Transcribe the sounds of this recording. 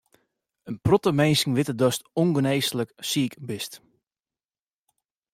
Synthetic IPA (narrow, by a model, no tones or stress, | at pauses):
ənprɔtəmejnsŋ̩ʋɪtədɔstoŋɡənejsləksiːkbɪst